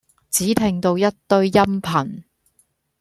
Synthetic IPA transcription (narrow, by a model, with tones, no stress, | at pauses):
t͡siː˨˥t̪ʰɛ˨˧ŋt̪o˧wjɐ˥tt̪ɵ˥˧ɥjɐ˥mpʰɐ˨˩n